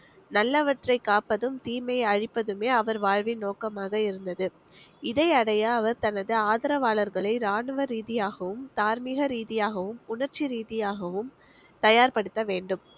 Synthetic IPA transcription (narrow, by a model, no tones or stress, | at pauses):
nɐlːɐʋɐʈrɐɪkaːpɐðɯmt̪iːmɐɪɐɻɪpːɐðɯmeːɐʋɐɾʋaːɻʋɪnːoːkɐmaːɣɐɪɾɯnd̪ɐðɯ | ɪðɐɪɐɽɐjɐːʋɐɾt̪ɐnɐðɯaːðɐɾɐʋaːɭɐɾɣɐɭɐɪɾaːɳɯʋɐɾiːðɪjaːɣɐʋɯmt̪aːɾmɪɣɐɾiːðɪjaːɣɐʋɯmʊɳɐɾt͡ʃiɾiːðɪjaːɣɐʋɯm | t̪ɐjaːɾpɐɽɯt̪ːɐʋeːɳɖɯm